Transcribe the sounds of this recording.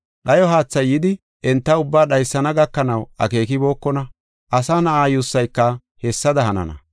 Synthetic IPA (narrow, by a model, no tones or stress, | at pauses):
ɗɐjɔɦaːt͡sːɐjːɪd̪ɪ | ʔɛnt̪ːɐʊbːaːɗɐjsːɐnɐɡɐkːɐnɐwʔɐ̰ke̞ːkɪbo̞ːkːɔnɐ | ʔɐsaːnɐʔaːjʊsːɐjkːɐ | hɛsːɐd̪ɐɦɐnɐ̰nɐ̰